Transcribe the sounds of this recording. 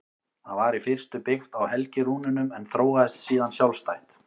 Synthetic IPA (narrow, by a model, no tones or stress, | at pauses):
θaðvaɾifɪr̥st̪ʏpɪxt̪awhɛlcɪɾuːnʏnʏmɛnθɾoːwɣaðɛst̪siːðansjawlst̪ajht̪